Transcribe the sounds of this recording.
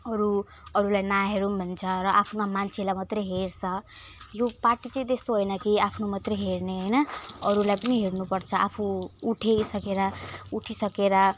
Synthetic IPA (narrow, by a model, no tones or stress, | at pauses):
ʌɾu | ʌɾulajnaɦeɾunbʱʌnt͡sʰʌɾʌʔapʰnamant͡sʰelajmat̪reɦeɾt͡sʰʌjoparʈit͡sʌ̃ĩt̪est̪oɦojnʌkiapʰnomat̪reɦeɾneɦʌjnʌʌɾulajpʌniɦeɾnupʌrt͡sʰʌʔapʰuuʈʰejsʌkeɾauʈʰisʌkeɾa